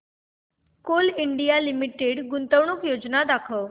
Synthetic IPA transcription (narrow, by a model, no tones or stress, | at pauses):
koliɳɖijalimiʈeɖɡʊnt̪əʋɳ̃ukjod͡ʒnad̪akʰəʋ